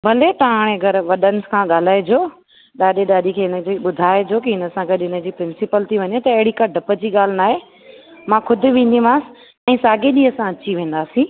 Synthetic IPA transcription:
bʱɐlet̪aaɽ̃eɐɡɐɾʋɐɗənɪskʰãːɠaːl̤aːed͡ʑoː | ɗaːɗeɗaːɗikʰeːɪnə̆d͡ʑiːɓʊd̪ʱaːed͡ʑoːkiɦɪnə̆sãɡɐɗɪnə̆d͡ʑiːpɾɪnsɪpəlt̪ʰiʋɐɲet̪ɐɐɦɪɽikɐɖʱɐpəd͡ʑiːɠaːl̤ɪnaːɦe | mãkʰʊd̪ʱɪ̆ʋẽːnd̪imãːs̆ | ɛ̃ːsaːɡeɗiɐsãɐt͡ɕiʋẽːn̆d̪aːsĩː

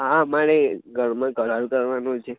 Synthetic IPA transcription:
ɦamaɽeɡʱəɳmãɡəɭalkəɾʋanot͡ʃʰe

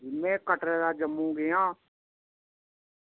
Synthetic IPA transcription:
imẽːkəʈɾeːd̪aːd͡ʒəmːũːɡejãː

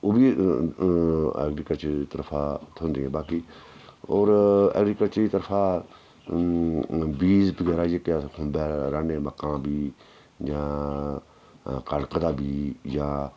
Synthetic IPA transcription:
oːbiː | ɛ̰ːɡɾiːkət͡ʃːt̪əɾpʰaːt̪ʰond̪iːɛ̃ːbaːkiːoːɾɛ̰ːɡɾiːkət͡ʃɾiːt̪əɾpʰãː | biːzbəɡɛːɾaːjəkjaːkʰʊmbɛːɾaːneːməkːãːbiː | jãː | kaɽkəd̪aːbiːjãː

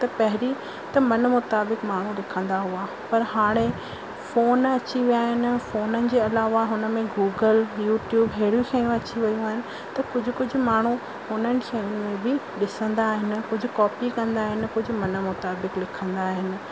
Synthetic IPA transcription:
t̪ɐpɐɦɪɾi | t̪ɐmɐnmʊt̪aːbɪkmaːɳ̤ulɪkʰə̃nd̪aɦua | pɐɾɦaːɽ̃e | foːnɐt͡ɕiʋijaːɦɪnɪ̆foːnənɪ̆d͡ʑeːɐlaːʋaɦʊnəmẽɡuːɡəljuːʈjuːbɦeɽjũkʰẽːjũɐt͡ɕiʋɐjũaːɦɪnɪ̆ | t̪ɐkʊd͡ʑʱʊ̆kʊd͡ʑʱʊ̆maːɳ̤u | hʊnənɪ̆kʰẽʊnmẽbɪ | ɗɪsə̃nd̪aːɦɪnɪ̆kʊd͡ʑʱʊkɔːpikɐ̃nd̪aːɦɪnɪ̆kʊd͡ʑʱʊ̆mɐnəmʊt̪aːbɪklɪkʰə̃nd̪aːɦɪnɪ̆

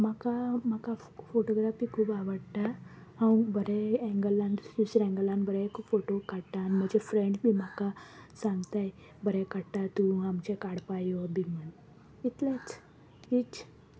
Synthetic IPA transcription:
makamaka | foʈoɡɾafikʰuːbaʋəɽʈ̪a | awbəɾeɛ̃ŋɡəlãnusɾɛ̃ŋɡəlanbəɾeekfoʈokaɽʈanm̤əd͡ʑefɾẽɳɖbʱiːmakasãŋɡt̪aj | bəɾekaɽʈ̪at̪ũamt͡ɕekaɽpajobʱimən | it̪let͡s | it͡s

